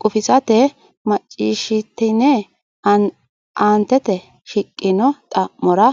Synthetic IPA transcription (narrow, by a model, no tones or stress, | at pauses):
kʼʊfɪsɐt̪ɛ | mɐt͡ʃʼːiːʃɪt̪ːɪnɛ | aːnt̪ːɛt̪ɛ | ʃɪkʼːɪnɔt̪ʼɐmːɔɾɐ